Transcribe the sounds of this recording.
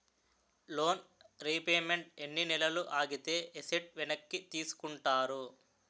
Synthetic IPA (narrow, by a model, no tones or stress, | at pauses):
lo̞ːnɾipeːmeɳʈ̚enːinilɐluʔaːɡit̪e̞ːʔeseʈ̚ʋinɐkːit̪iːsu̥kuɳʈaːɾu